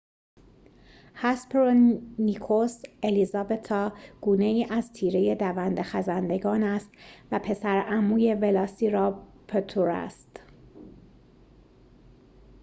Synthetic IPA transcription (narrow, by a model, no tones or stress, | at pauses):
hæspɾonikʰoselizɒːbe̞t̪ʰːɒːɡ̥uːne̞iːʔæzt̪ʰiːɾe̞je̞d̪ævænd̪exæzænd̪e̞ɡɒːnæst̪væpʰe̞sæɾæmuːje̞velɒsiːɾɒː | pʰet̪ʰuɾæ̰st̪